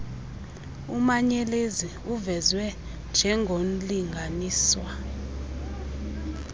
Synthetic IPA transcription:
umaɲɛleziuvɛzwɛ | nd͡ʒʱɛŋɡʱoliŋɡʱaniːswa

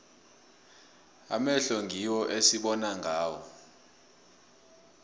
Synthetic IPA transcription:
a̰mɛɬɔŋɡʱiwɔʔesiɓɔnaŋʱaːwɔ

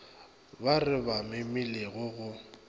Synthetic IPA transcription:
barɪbamɪmɪleɣʊɣʊ

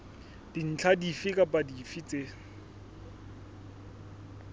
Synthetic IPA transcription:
d̥in̩t͡ɬʰadifikʼapʼadifit͡sʼe

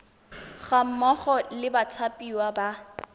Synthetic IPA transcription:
ɣam̩mɔχɔlɪbat͡sʰapʼiwaba

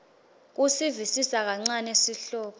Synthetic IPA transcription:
k̬usivisisak̬aŋ͡ǀanesiɬɔːpʰɔ

